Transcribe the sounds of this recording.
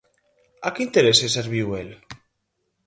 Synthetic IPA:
akeint̪eɾeseseɾβiwel

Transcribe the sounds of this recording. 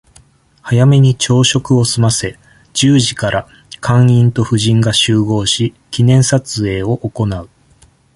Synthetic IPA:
hajame̞ɲ̟it͡ɕo̞ːɕo̞kɯ̟o̞sɨmase̞ | d͡ʑɨːʑikaɾa | kʰãɰ̃ĩnt̪o̞ɸɯ̟ʑĩŋɡaɕɨːɡo̞ːɕi | kʲinẽ̞ɰ̃sat͡sɨe̞ːo̞ʔoko̞naɯ̟

